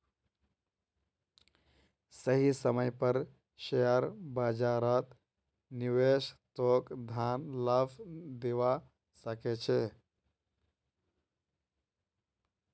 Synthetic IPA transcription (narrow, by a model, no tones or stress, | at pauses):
səɦisəməjpəɾ | ʃejəɾbad͡ʒaɾət̪ | niwest̪okd̪ʱanləbd̪eʋa | səket͡ʃʰe